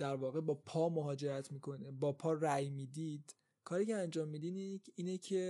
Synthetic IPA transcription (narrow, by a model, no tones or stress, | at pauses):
d̪̥æɾvɒːɣe̞bɒːpʰɒːmoɦɒːd͡ʒe̞ɾæt̪ʰmiːkʰo̞nebɒːpʰɒːræjmiːd̪iːd̪̥ | kʰɒːɾiːceænd͡ʒɒːmːiːd̪ineiːnecʰe